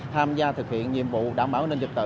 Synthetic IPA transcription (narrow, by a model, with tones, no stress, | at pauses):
t̪ʰaː˧mzaː˧t̪ʰɨ˨˩k̚hḭ˧˨ənɲḭ˧˨əmvṵ˧˨ɗaː˧˩wɓaː˧˩wnə˧nzɨ˨˩k̚t̪ɨ̰˧˨